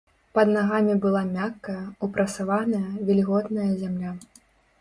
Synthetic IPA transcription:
pɐd̪naɣamʲibɨlˠamʲakːɐjɐupɾɐsavanɐjɐvʲɛlʲiɣɔt̪nɐjɐzʲamlʲa

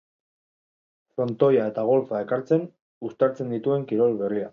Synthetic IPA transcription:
fɾo̞nt̪o̞jae̞t̪aɣ̞o̞lfae̞kaɾt͡se̞n | ust̪aɾt͡se̞nd̪it̪ue̞ŋkiɾo̞lβeria

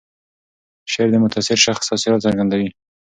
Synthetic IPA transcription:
ʃeɾd̪əmʊt̪asɪɾʃaxsɑsiɾɑt̪saɾɡand̪awi

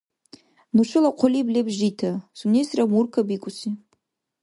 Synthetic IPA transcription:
nuʈ͡ʂʷʰɨlaqʷʰʊliblʲebʒitʰasunesramurkʰabikʷʼʊsi

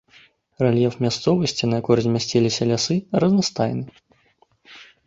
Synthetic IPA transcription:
ralʲjɛfmʲast̪sɔvɐsʲt͡sʲinɐjakɔrzʲmʲasʲt͡sʲilʲisʲɐlʲasɨrɐznast̪ajnɨ

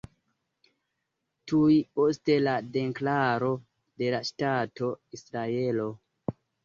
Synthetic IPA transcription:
tuipo̞ste̞lade̞ŋklaɾo̞ | de̞laʃtato̞isɾae̞lo̞

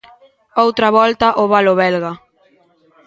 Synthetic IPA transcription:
owt̪ɾɐβɔlt̪aʔoβaloβɛlɣa

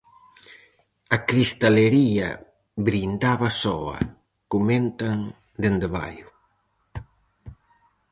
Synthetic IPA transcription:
ɐkɾist̪aleɾiɐ̰ | bɾind̪aβɐsɔɐ̰ | kument̪aŋ | d̪end̪eβa̰jʊ

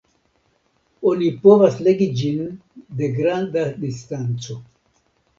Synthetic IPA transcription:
onipovasleɡid͡ʒind̪eɡɾand̪ad̪istant͡so

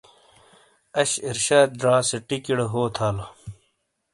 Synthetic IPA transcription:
ɐɕiɾɕaːd̪̚d̪ɾãːseʈikiɽeɦoːt̪ʰaːlɐ

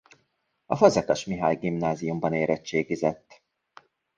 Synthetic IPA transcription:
ɒfɒzɛkɒʃmiɦa̰ːjɡimnaːzijumbɒneːɾɛt͡ʃːeːɡizɛt̪ː

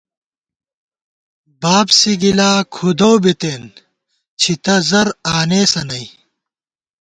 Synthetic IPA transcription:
baːbsiɡilaːkʰud̪owbit̪eːn | t͡ɕʰit̪ɐzɐɾaːneːsɐnɐi

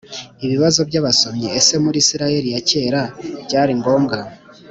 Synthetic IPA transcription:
iβiβazo̞bɟaβaso̞mɲeːse̞muɾiːsiɾaje̞ɾijace̞ːɾaɟaːɾiŋɡo̞ːmɡa

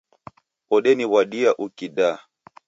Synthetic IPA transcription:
ɔɗɛniwaɗiaʔukiɗa

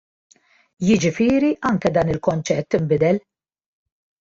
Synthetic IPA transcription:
jɪd͡ʒɪfɪːɾiʔɐŋkɛd̪ɐːnɪlkɔnt͡ʃɛt̪ːɪmbɪd̪ɛl

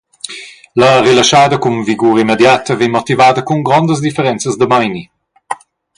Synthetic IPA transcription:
ləʁelaʃaːd̪əkumviɡuːɾimed̪jat̪əveɲmɔt̪ivaːd̪əkuŋɡɾɔnd̪əs̬d̪ifəɾɛnt͡səzd̪əmajni

